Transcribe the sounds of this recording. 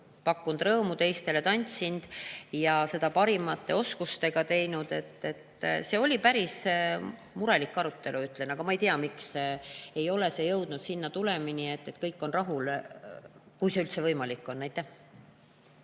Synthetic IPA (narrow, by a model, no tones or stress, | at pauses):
pɑkːˑund̪̥rɤːmut̪e̞jst̪e̞le̞t̪ɑnʲt̪sind̪̥jɑse̞d̪ɑpɑɾimɑt̪ːˑe̞o̞skust̪e̞ɡ̥ɑt̪e̞jnud̪e̞t̪ːe̞t̪ːse̞o̞lʲipæɾis | muɾelikːɑɾut̪ːe̞luyt̪ːˑle̞nɑɡ̥ɑmɑejt̪iɑmikse̞jo̞le̞se̞jɤwd̪̥nud̪sinːɑt̪ule̞minie̞t̪ːe̞t̪kɤjkːˑo̞nrɑɦul | kujsylt̪se̞vɤjmɑlikːˑo̞nːæjt̪ːˑæh